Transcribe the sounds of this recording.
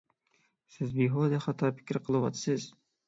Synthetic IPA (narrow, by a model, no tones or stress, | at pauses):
sɪzbiɦod̪ɛχɑt̪ʰɑpʰɪ̥kʲɾqʰəlˠɨwɑt̪ʰɨ̥sɪz̥